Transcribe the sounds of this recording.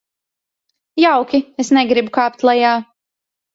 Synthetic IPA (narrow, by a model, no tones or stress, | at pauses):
jawkʲiesnɛɡɾibukaːp̚t̪lˠajaː